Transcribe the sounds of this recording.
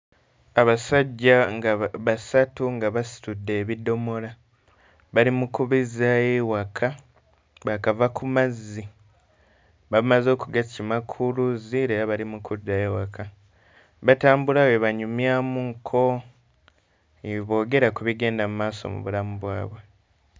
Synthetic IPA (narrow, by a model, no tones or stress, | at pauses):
aβasaɟːaaβasatuŋɡaβasi̥tudːe̞ːβido̞mo̞la | βalimukuβizajewakʰa | βakavakʰumazːi | βamazo̞ːkuɡacimakʰuluzieɾaβalimukʰudːaewaka | βataːmbulawe̞βaɲumjamuŋkʰo̞ | eβo̞ːɡe̞ɾakuβiɡe̞ːndamumaːso̰mṵβṵlamuβwa̰ːβwe̞